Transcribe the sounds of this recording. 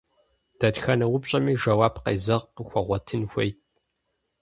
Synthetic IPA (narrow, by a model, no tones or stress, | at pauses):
d̥ɐtxɐnɐwʊpɕʼɐmiːʒɐwaːbqḛzɐʁəxʷɔʁʷɔtʰɨnxʷejt̚ʼ